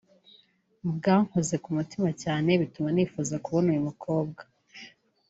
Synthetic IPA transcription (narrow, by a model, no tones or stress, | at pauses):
bɡaːŋ̥hoze̞kumutimacaːne̞βitumaniːfuzakuβonujumukʰo̞ːbɡḁ